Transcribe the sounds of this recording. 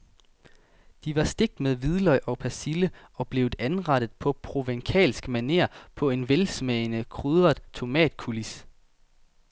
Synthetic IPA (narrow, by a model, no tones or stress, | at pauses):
d̥iʋɑ̈sd̥e̝ɡ̥̚d̥meðˠʋið̞ˠlɒɪʔɒ̽pʰæsilə | ɒ̽b̥le̝ʊænʁɑ̈ɾ̥ð̞̩ˠpʰɒ̽pʰʁo̝ʋeŋkʰɛ̰ːlsɡ̥mæne̝̰ɐ̰pʰɒ̽e̝nʋelsmɛɪnəkʰʁyðˠɐð̥ˠt͡sʰo̝mɛ̰ːd̥kʰulis